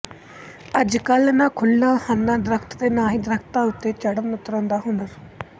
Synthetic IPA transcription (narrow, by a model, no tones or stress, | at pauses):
əd͡ʒkəlnãːkʰʊlːaːhaːnːãːd̪ɾəkʰt̪d̪eːnaːɦĩːd̪əɾəkʰt̪ãːʊt̪ːeːt͡ʃəɽənʊt̪ːɾãːnd̪aːɦʊnəɾ